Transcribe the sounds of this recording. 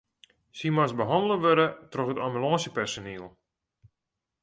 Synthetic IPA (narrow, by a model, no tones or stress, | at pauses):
simasbəɦɔndəlˠəʋøɾətroxətambylɔːsəpɛrsoniəlˠ